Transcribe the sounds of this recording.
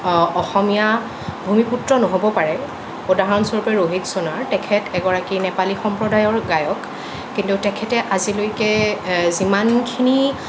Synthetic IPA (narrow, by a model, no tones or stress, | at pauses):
ɔxɔmija | bʱumiputɹɔnɔɦobɔpaɹɛ | odaɦɹɔnsɔɹpɛɹoɦitsonaɹtɛkʰɛtɛɡɔɹakinɛpalixɔmpɹɔdajɔɹɡajɔkː | intutɛkʰɛtɛʔazilojkɛzimankʰini